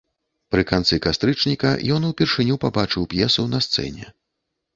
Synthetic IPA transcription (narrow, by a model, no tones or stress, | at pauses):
pɾɨkant̪sɨkast̪ɾɨt͡ʂnʲikɐ̰jɔnuwpʲirʂɨnʲupabat͡ʂɨwpjɛsuwnɐst̪sɛ̰nʲɛ̰